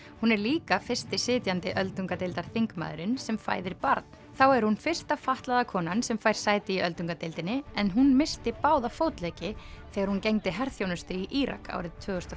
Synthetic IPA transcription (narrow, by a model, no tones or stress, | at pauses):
hunɛɾliːkafɪrst̪ɪsɪːt̪jant̪ɪʔœlt̪uŋkat̪ɪlt̪aɾ̥θiŋkma̰ːðʏɾɪnsɛmfa̰ːjðɪɾpaɾt̪̚n̥ | θawɛɾ̥hunfɪr̥st̪afaht̪laðakʰɔːnansɛmfajɾ̥saːjt̪ɪiœlt̪uŋkat̪ɪlt̪ɪnːɪɛnɦunmɪst̪ɪpaːwðafowt̪lɛːcɪθɛːɣaɾhuncejŋt̪ɪɦɛɾθjownʏst̪ʏiʔiɾa̰ka̰ːwɾɪðt̪ʰvʏːɣʏst̪a